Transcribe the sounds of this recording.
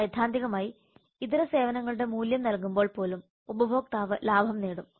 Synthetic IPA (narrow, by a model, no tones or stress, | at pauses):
jɐd̪ʱːaːnd̪iɣɐmaːji | it̪iɾɐse̞ːʋɐnɐŋːɐɭuɽe̞muːljɐmnɐlkumbo̞ːɭpo̞ːlum | ubɐbʱo̞ːk̚t̪aːʋɐlaːbʱɐmneːɽum